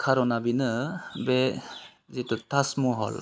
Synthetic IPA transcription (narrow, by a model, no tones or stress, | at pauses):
kʰaɾɔnabinɯbe | zetutasmuɦɔ̰l